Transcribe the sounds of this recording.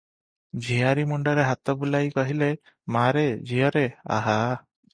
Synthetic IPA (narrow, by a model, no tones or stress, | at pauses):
d͡ʒʱiaɾimuɳɖɔɾeɦat̪ɔbulajkɔɦile | maɾed͡ʒijɔɾea̰ɦa